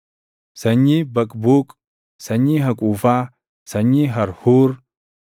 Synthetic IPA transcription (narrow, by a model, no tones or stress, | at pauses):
sɐɲːibɐkʼbuːkʼ | sɐɲːiɦɐkʼuːfaː | sɐɲːiɦɐɾhuːɾ